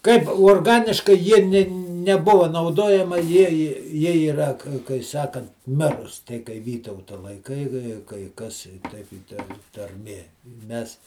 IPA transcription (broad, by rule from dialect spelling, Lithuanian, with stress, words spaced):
kɐɪp uɔrˈɡɑːnʲɪʃkɐɪ ˈjiɛ nʲeː nʲɛˈbʊʋɐ nɐʊˈdoːjɛmɐ ˈjiɛ ɪ jiɛ ɪˈrɐ kɐɪ ˈsɑːkɐnt ˈmʲɪrʊs tʲɛɪ kɐɪ ˈʋʲiːtɐʊtɐ lˠɐɪˈkɐɪ kɐɪ kɐɪ ˈkɐs ˈtʲɛɪp ɪ ˈtɐ tɐrʲˈmʲeː ˈmʲɛs